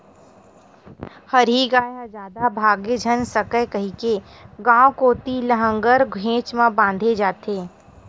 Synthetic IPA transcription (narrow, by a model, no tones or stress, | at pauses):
həɾiɡaːjad͡ʒaːd̪abʱaːɡed͡ʒʱənsəkəjkəɦike | ɡãːokoːt̪iləɦə̃ŋɡəɾɡʱẽːt͡ʃmãbãːnd̪ʱed͡ʒaːt̪eː